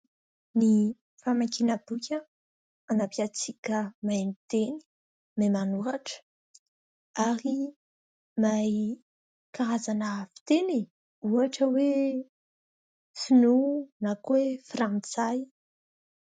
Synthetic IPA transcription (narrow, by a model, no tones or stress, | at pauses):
ni | famakinəbukʲə | anapiat͡sikʲəmanit̪eni̥ | memanuaʈ͡ʂə̥ | aɾi | maj | kaɾazanəfi̥t̪eni | uaʈ͡ʂəwe | sinunakwefrant͡saj